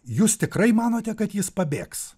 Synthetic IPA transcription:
juːst̪ʲɪkɾɐɪmɑːnoːt̪ʲɛkɐt̪jɪspɐbʲeːks

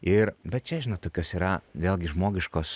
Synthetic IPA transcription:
ɪɾbʲɛt̪̚t͡ʃʲɛʒʲɪnoːt̪oːkʲoːsiːɾɐʋʲeːlˠʲɡʲɪʒmoːɡʲɪʃkoːs

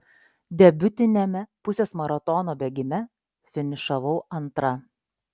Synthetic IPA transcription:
d̪ʲɛbʲʊt̪ʲɪnʲɛmʲɛpʊsʲeːsmɐɾɐt̪ɔnoːbʲɛɡʲɪmʲɛ | fʲɪnʲɪʃɐʋɐʊɐnt̪ɾɐ

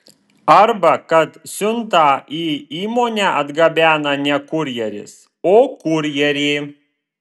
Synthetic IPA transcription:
ɐɾbɐkɐt̪sʲʊnt̪ɑːʔiːiːmoːnʲæːʔɐd̪ɡɐbʲæːnɐnʲɛkʊɾʲjɛɾʲɪ̰s | oːkʊɾʲjɛɾʲeː

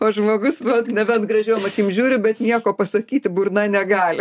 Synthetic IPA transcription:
oːʒmoːɡʊsʋɐt̪nʲɛbʲɛnt̪ɡrɐʒʲɛːmɐkʲɪmʒʲuːɾʲɪbʲɛt̪nʲiɛkoːpɐsɐkʲiːt̪ʲɪbʊɾnɐnʲɛɡɑːlʲɪ

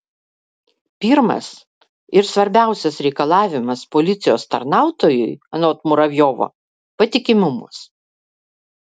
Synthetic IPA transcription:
pʲɪɾmɐ̰s | ɪɾsʋɐɾʲbʲæˑʊsʲɛsɾʲɛɪkɐlˠɑːʋʲɪmɐspolʲɪt̪sʲɪjoːst̪ɐɾnɑˑʊt̪oːjʊjɐnoːt̪mʊɾɐʋʲjoːʋo̰ː | pɐt̪ʲɪkʲɪmʲʊmʊ̰s

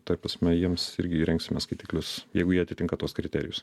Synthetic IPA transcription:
t̪ɐɪpɾɐsʲmʲɛjiɛmsɪ̰ɾʲɡʲɪːɾʲɛŋksʲɪmʲɛskɐɪt̪ʲiːklʲʊsjɛɪɡʊjiɛɐt̪ʲɪt̪ʲɪŋkɐt̪uɔskɾʲɪt̪ʲæːɾʲɪjʊs

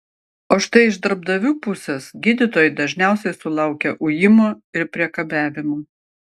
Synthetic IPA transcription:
oːʃt̪ɐɪɪʒd̪ɐɾb̚d̪ɐʋʲuːpʊsʲɛsɡʲɪd̪ʲɪt̪oːjɪd̪ɐʒʲnʲæˑʊsʲɛɪsʊlˠɐˑʊkʲɛʔʊjɪmoːɪɾpʲɾʲiɛkɐbʲæːʋʲɪmoː

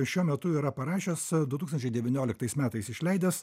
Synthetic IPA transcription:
ʃʲuɔmʲɛt̪ʊiːɾɐpɐɾɑːʃʲoːsd̪ʊt̪uːksɐnt͡ʃʲɛɪd̪ʲɛʋʲɪnʲoːlʲɪkt̪ɐɪsmʲæːt̪ɐɪsɪʃʲlʲɛɪd̪ʲɛs

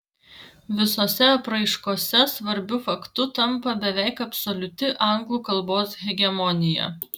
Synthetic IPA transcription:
ʋʲɪsoːsʲɛɐpɾɐɪʃkoːsʲɛsʋɐɾʲbʲʊfɐkt̪ʊt̪ɐmpɐbʲɛʋʲɛˑɪkɐpsɔlʲʊt̪ʲɪʔɑˑŋɡlˠuːkɐlˠboːsɣʲɛɡʲɛmɔnʲɪjɛ̰

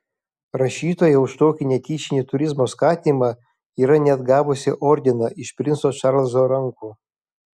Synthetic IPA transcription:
ɾɐʃʲiːt̪oːjɛʊʃt̪oːkʲɪnʲɛkʲiːʃʲɪnʲit̪ʊɾʲɪzmoːskɑːt̪ʲiːmɑ | iːɾɐnʲɛd̪ɡɑːʋʊsʲɪʔɔːɾʲd̪ʲɪnɐʔɪʃpʲɾʲɪnsoːʃɑɾlˠzoːɾɐŋkuː

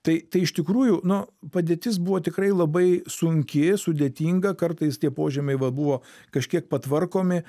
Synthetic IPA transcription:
t̪ɐɪt̪ɐɪɪʃt̪ʲɪkɾuːjʊnʊpɐd̪ʲieːt̪ʲɪs̬buʋoːt̪ʲɪkɾɐɪlˠɐbɐɪsʊŋʲkʲɪsʊd̪ʲeːt̪ʲiːŋɡɐkɐrt̪ɐɪst̪ʲiɛpoːʒʲɛmʲɐɪʋɐbuʋoː | kɐʃʲkʲiɛk̚pɐt̪ʋɐrkoːmʲɪ

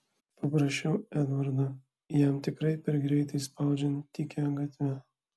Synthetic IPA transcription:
pɐpɾɐʃʲɛʊɛd̪ʋɐɾd̪ɐ | jæmt̪ʲɪkɾɐɪpʲɛɾɡɾʲɛɪt̪ɐɪspɑˑʊd͡ʒʲɛnt̪ʲːiːkʲɛɐŋɡɐt̪ʲʋʲɛ

